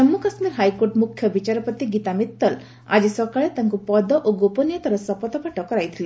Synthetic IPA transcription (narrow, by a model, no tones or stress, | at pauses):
ɔmːukasmiɾɦajkoɾʈmukʰjɔbit͡ʃaɾɔpɔt̪iɡit̪amit̪ːɔl | a̰d͡ʒisɔkaɭet̪aŋkupɔd̪ɔʔoɡopɔnjɔt̪ɔɾɔsɔpɔt̪ɔpaʈɔkɔɾajt̪ʰili